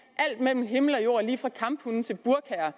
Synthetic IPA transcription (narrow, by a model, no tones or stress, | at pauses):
ʔæl̰d̥mel̰m̩ɦe̝ml̩ɒ̽jo̝̰ːɐliːfʁɑ̈kʰɑ̈mb̥hunn̩t͡sʰe̝lb̥uɐkʰæːɐ